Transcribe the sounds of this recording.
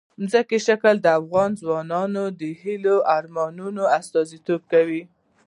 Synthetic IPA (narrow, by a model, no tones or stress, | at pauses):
mzəkeʃakəld̪əafɣɑnzwɑnɑnod̪əhiloʔaɾmɑnunoast̪ɑzit̪ob̚kawi